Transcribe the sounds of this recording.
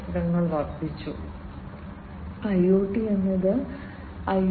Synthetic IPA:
ɐɾɐŋːɐɭʋɐrd̪ʱit͡ɕːu | ɐjːoːʈːienːɐðɨ | ɐj

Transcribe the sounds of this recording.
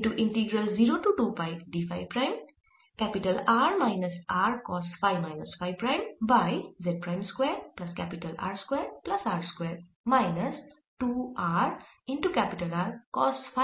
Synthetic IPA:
ʈuʔinʈiɡɾəlziɾoʈuʈupajkɖipʰa̰jpɾajm | kɛpiʈəlaɹmajnəsaɹkɔsʈpʰajmajnɐspʰajpɹajmbajzed̚pɹajmskweɹplɐskɛpiʈɐla̰ɹskweɹplɐsaɹskweɹ | majnəs | ʈuaɹinʈukɛpiʈəlaɹkɔspʰa

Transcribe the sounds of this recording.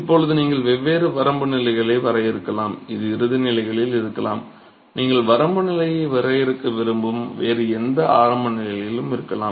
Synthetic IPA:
ɪpːɔɭɐðɯniːŋɡɐɭʋɛʋːeːɾɯʋɐɾɐmbɯnɪlɐɪɣɐɭɐɪʋɐɾɐjɪɾɯkːɐlaːmɪðɯɪɾɯðɯnɪlɐɪɣɐɭɪlɪɾɯkːɐla̰ːm | niːŋɡɐɭʋɐɾɐmbɯnɪlɐjɐɪʋɐɾɐjɪɾɯkːɯʋɪɾɯmbɯmʋeːɾɯɛnd̪ɐaːɾɐmbɐnɪlɐjɪlɯmɪɾɯkːɐlaːm

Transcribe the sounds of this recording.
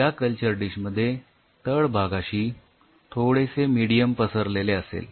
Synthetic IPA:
jjakəlt͡ɕəɾɖiɕməd̪ʱːje | t̪əɭbʱaɡaɕiː | t̪ʰoɽesemiɽijəmpəsəɾleleəsḛl

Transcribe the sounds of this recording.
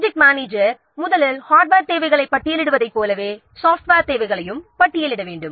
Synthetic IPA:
d͡ʒɪk̚maːneːd͡ʒɐɾ | mʊðɐlɐlhaːʈ̚baːɾt̪eːʋɐɪɣɐɭɐɪpːɐʈːɪjɐlɪɽɯʋɐðɐɪpːoːlɐʋeː | saːfʈʋeːɾt̪eːʋɐɪɣɐɭɐjɯmpɐʈːɪjɐlɪɽɐʋeːɳɖɯm

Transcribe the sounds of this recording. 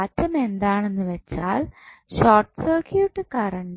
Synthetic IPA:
tːɐme̞nd̪aːɳe̞nːɨʋet͡ɕːaːlɕoːrʈːɨ̥sɐːrkʰjuʈːɨkɐrɐɳ

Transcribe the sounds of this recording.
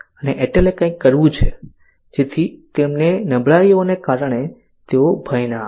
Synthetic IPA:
əneʔeʈelekãikːəɾʋũt͡ʃʰe | d͡ʒet̪ʰit̪emnenəbɭaionekaɾɳ̃e | t̪eobʱəjna

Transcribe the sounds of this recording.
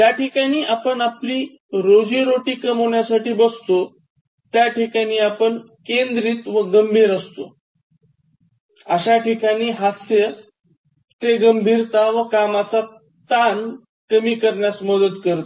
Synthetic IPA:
jjaʈikaɽ̃iːʔapəɳapliː | ɾod͡ziɾoʈiːkəmɦoɳjasaʈiːbəst̪o | t̪jaʈikañiːapəɳ | kend̪ɾiːt̪ʋəɡəmbʱiːɾəst̪o | əɕaʈikaɽ̃iːɦasjə | t̪eɡəmbʱiːɾt̪aʋəkamat͡sa | t̪an | kəmiːkəɾɳjasməd̪ət̪kəɾt̪

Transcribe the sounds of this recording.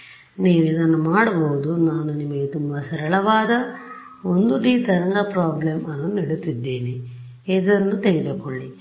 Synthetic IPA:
niːʋid̪ɐnːumaːɽɐboːud̪unaːnunimːɐɡet̪umʋɐsɐɾɐɭɐʋaːd̪ɐ | ond̪uɖiːt̪ɐɾɐŋɡɐpɾaːblemɐnːuniɽut̪ːid̪ːeːni | eːd̪ɐɐnːut̪ejit̪ekoɭːi

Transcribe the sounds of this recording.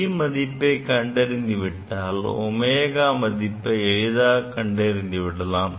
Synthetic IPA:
mɐðɪpːɐɪkɐɳɖɐɾɯnd̪ɪʋɪʈːaːlɔ̰meːɣaːmɐðɪpːɐɛɻɪðaːkɐɳɖɐɪɾɯnd̪ɪʋɪɽɐlaːm

